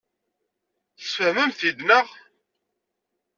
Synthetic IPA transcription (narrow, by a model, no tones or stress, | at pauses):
θə̥sfəhməmθid̪nəʁ